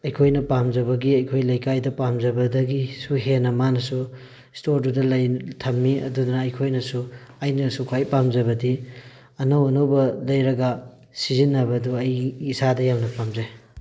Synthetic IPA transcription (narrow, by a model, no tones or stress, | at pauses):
ɐjkʰojnɐpamd͡ʒɐβɐɡiɐjkʰojlɐjkajdɐpamd͡ʒɐbɐdɐɡisuɦenɐmanɐsu | stoɾdudɐlɐjtʰɐmːiɐ̰dudunɐːjkʰojnɐsuajnɐsukʰajpamzɐβɐdi | ɐnowɐnowbɐlɐjɾɐɡa | sizinːɐbɐduɐjːsadɐjamnɐpamzaj